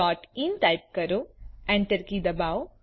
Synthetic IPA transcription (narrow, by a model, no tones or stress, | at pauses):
ɔːʈinʈajp̚kɐɾoɛ̃ɳʈəɾkid̪ɐbaːw